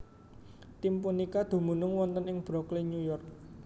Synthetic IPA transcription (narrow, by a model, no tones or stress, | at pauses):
t̪impunikad̪̥o̤munʊŋwɔnt̪ənɪŋb̥ɾɔkliɲujɔrk̚